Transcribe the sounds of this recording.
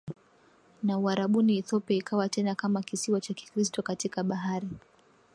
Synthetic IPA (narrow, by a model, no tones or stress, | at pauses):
nauaɾaɓuniɛθɔpiaikʰawatɛnakamakisiwat͡ʃaki̥kɾistɔkatikaɓaɦaɾi